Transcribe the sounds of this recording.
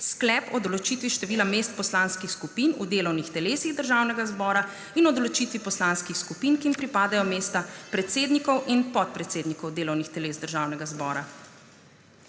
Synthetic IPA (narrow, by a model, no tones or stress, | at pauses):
sklɛːpɔd̪ɔlɔt͡ʃiːt̪ʋiʃt̪ɛʋiːlameːst̪̚pɔslanskixskupiːnṵd̪eːlɔwnixt̪ɛleːsiɣd̪əɾʒaːwnɛɡazbɔːɾa | inɔd̪ɔlɔt͡ʃiːt̪ʋipɔslanskixskupiːnkimpɾipaːd̪ajɔmeːst̪apɾɛt̪seːd̪nikɔwʔinpɔt̪̚pɾɛt̪seːd̪nikɔwd̪eːlɔwnixt̪ɛleːzd̪əɾʒaːwnɛɡazbɔ̰ːɾa